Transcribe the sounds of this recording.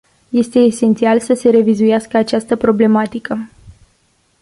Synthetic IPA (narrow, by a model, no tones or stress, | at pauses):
je̞st̪e̞ːse̞nt̪sialsəse̞ɾe̞vizujaskəat͡ʃast̪əpɾo̞ble̞mat̪ikə